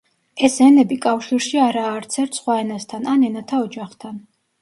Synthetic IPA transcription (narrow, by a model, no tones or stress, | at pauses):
ɛsɛnɛbikʼafʃiɾʃiaɾaːɾt̪sʰɛɾt̪ʰsχwaɛnast̪ʰananɛnat̪ʰaɔd͡ʒaχt̪ʰan